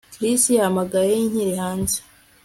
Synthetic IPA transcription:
kɾisijahamaɡajejinhiɾihaːnze̥

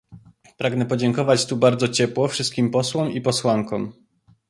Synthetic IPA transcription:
pɾaɡnɛpɔd͡ʑɛŋkɔvat͡ɕt̪ubaɾd̪zɔt͡ɕɛpwɔfʂɘst̪kʲimpɔswɔmipɔswaŋkɔ̃m

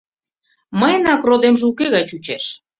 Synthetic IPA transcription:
məjənɑkrod̪emʒeukeɣɑjt͡ɕut͡ɕeʃ

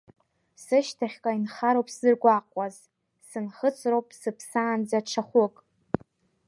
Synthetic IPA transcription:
sɨʃtʰaχʲkʷʼainχaɾowpʼszɨrɡʷaqʷʼaz | sɨnχət͡sʰʼrowpʼsɨpʰsaːnd͡zaʈ͡ʂʰaχʷʊkʼ

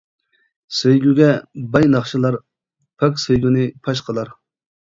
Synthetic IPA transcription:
sejɡʲyɡʲɛbɑjnɑχʃɨlˠɑɾ | pʰɑkʲsejɡʲynɨpʰɑʃqʰəlˠɑɾ

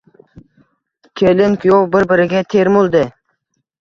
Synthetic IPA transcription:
kʲʰelɪŋkʰʲjowbɪɾbɪɾɪɡʲat̪ʰeɾmʊlˠd̪ɪ

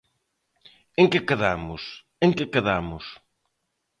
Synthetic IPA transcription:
ẽŋkɪkɐðamʊs | ẽŋkɪkɐðamʊs

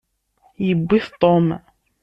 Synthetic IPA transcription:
jəbːiθt̪ˤɔm

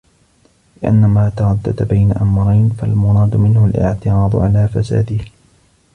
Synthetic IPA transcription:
lɪʔa̰nːamaːt̪ɑɾˤɑd̪ːa̰d̪abajnaʔamɾˤɑjnfalmʊɾˤɑːd̪mɪnhʊlʔɪ̰ʕt̪ɪɾɑːd̪̰ˤʕalaːfasa̰ːd̪ɪh

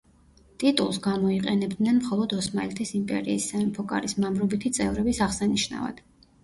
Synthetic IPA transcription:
t̪ʼit̪ʼṵlˠsɡamɔiqʼɛnɛbd̪nɛnmχɔlˠɔd̪ɔsma̰lɛt̪ʰisimpʼɛ̰ɾiːsaɛmpʰɔkʼa̰ɾismamɾɔbit̪ʰit̪sʼɛvɾɛbisaʁsaniʃna̰va̰d̪̥

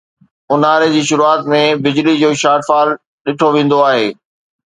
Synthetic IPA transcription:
ʊnaːɾed͡ʑiːʃʊɾuaːt̪mẽbɪd͡ʑlid͡ʑoːʃaːʈfaːl | ɗɪʈʰoʋẽːn̆d̪oaːɦeː

